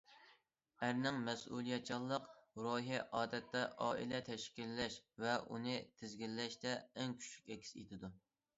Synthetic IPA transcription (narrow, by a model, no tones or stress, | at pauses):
æɾnɪŋmɛsṵlˠijɛt͡ʃʰɑlˠːəqɾoɦiʔɑːd̪ɛt̪ʰːɛʔɑːʔḭlɛt̪ʰɛʃkʲilːɛʃvɛʔṵnɨt̪ʰɪzɡʲilːɛʃt̪ɛːŋkʲʰy̥t͡ʃʰykʲɛkʲʰi̥sḛt̪ʰɪd̪u